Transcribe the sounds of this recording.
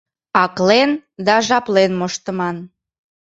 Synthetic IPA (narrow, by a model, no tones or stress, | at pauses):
ɑklend̪ɑʒɑplenmoʃt̪əmɑn